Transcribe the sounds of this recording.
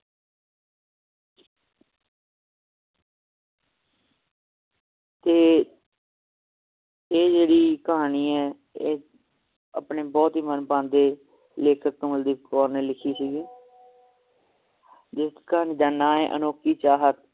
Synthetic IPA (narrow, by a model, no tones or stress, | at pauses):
t̪eː | eːd͡ʒeːɽiːkəɦaːniːɛː | eː | a̰pneːbɔːt̪ɦiːmənpãːnd̪eː | leːkʰək̚t̪õːməld̪iːkɔːɾneːlɪkʰiːsiːɡiː | d͡ʒɪskɦaːniːd̪aːnãːeːʔə̰noːkiːt͡ʃaːɦət̪